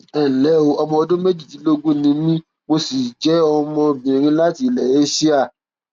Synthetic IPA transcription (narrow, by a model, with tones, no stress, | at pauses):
ɛ˨lɛ˨˦o˧ɔ˧mɔ̃˧ɔ˧dũ˦me˦d͡ʒi˦˨tĩ˨˦lo˦ɡũ˦nĩ˧mĩ˦ | mo˧si˨d͡ʒɛ˨˦ɔ˧mɔ̃˧bĩ˨ɾ̃ĩ˧la˦ti˦˨lɛ˨e˦si˦a˦˨